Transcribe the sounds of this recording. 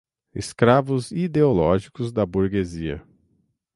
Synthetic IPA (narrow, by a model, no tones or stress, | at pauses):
ɪ̰skɾavʊzid̪eolɔʒikʊzd̪ɐbuɾɡeziɐ̰